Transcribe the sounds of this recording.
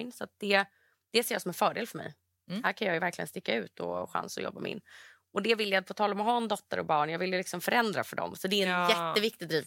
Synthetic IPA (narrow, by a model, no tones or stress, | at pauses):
nsɔat̪̚d̪̥ɛ | d̪̥ɛseːɾjasɔmɛnfœːɖeːlfœɾmɛ̰j | hæɾkʰanjɑːjɵvæɾkʰlɪɡə̰nst̪ɪkːaʉ̟̰ːt̪ʰɔ̰ɧa̰nsɔ̰jɔ̰bːamɪ̰nː | ɔd̪ɛvɪlːjapʰɔt̪ʰɑːlɔmɔɦɑːɛnd̪ɔt̪ːəɾʔɔ̰bɑːɳjɑːvɪljlɪksɔmfœɾɛnd̪ɾafœɖɔ̰msɔd̪ɛɛnjɛt̪ːəvɪk̚t̪ɪd̪ɾiːv